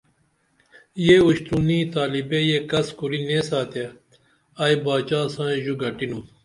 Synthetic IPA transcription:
jeuɕt̪unĩːt̪aːlibejeːkɐskuɾinẽːsaːt̪e | aːjbaːt͡ɕaːsãːẽʑuɡɐʈinũ

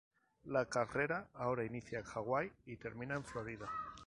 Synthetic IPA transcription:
lakare̞ɾaao̞ɾainiθjaxaɣwajit̪e̞ɾmĩnaeɱflo̞ɾiða

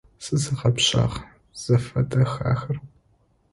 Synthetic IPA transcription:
sɨzɨqɐpɕa̰ːʁ | z̥ɐfɐtʼɐxa̰ːxɐr

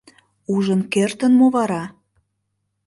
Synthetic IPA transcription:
uʒənkert̪ə̆nmoβɑɾɑ

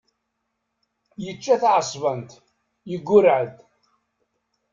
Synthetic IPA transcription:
jət͡ʃːæθaʕsˤvənt̪ | jəɡʷːʊɾʕəd̪

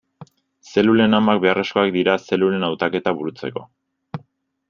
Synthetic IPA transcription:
se̞lule̞namak̚be̞are̞sko̞ak̚d̪iɾase̞lule̞nawt̪ake̞t̪aβuɾut͡se̞̰ko̞̰

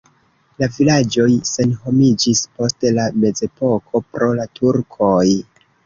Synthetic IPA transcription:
lavilad͡ʒo̞jse̞nɦo̞mid͡ʒispo̞stelame̞ze̞po̞kʰo̞pɾo̞latʰuɾkʰo̞j

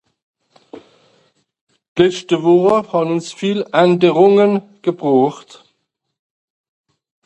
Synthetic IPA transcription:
lɛʃtəvɔəhɑːbnʊnsfiːlʔɛndəʁʊŋənɡ̥əbʁɔːχt

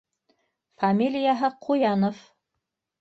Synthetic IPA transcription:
famʲilʲɪjaɦɤqʰujɑnof

